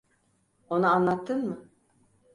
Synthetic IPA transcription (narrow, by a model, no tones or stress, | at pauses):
onaanlˠat̪ʰːɯnmɯ